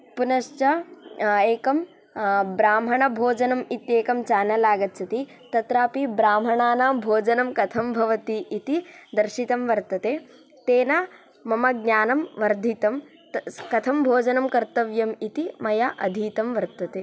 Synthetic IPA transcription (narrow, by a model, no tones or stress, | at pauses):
punɐʃt͡ʃɐ | eːkɐm | bɾaːm̤ɐɳɐbʱoːd͡ʒɐnɐmit̪jeːkɐmt͡ʃaːnɐlaːɡɐt̪t͡ʃʰɐt̪i | t̪ɐt̪ɾaːpibɾaːm̤ɐɳaːnaːbʱoːd͡ʒɐnɐmkɐt̪ʰɐmbʱɐʋɐt̪iʔːt̪id̪ɐɾʃit̪ɐmʋɐɾt̪ɐt̪eː | t̪eːnaː | mɐmɐɡ̚naːnɐmʋɐɾd̪ʱit̪ɐm | kɐt̪ʰɐmbʱoːd͡ʒɐnɐmkɐɾt̪ɐʋjɐmit̪imɐjaʔɐd̪ʱiːt̪ɐmʋɐɾt̪ɐt̪eː